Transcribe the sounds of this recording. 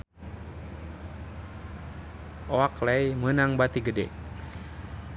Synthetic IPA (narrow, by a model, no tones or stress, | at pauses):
ʔɔaklɛjmənaŋbat̪iɡədɛ̰